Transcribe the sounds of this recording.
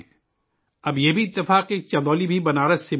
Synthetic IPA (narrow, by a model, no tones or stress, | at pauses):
ɐbjebʱiɪt̪ːɪfaːqeːk̚t͡ʃɐd̪oːlibʱibɐnaːɾɐsɪ